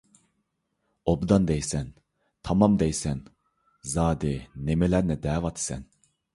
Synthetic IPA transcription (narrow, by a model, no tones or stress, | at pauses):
obd̪ɑnd̪ɛjsɛn | t̪ʰɑmɑmd̪ɛjsɛn | zɑːd̪ɪnemelæɾnɛd̪ɛːvɑt̪ʰsɛ̰n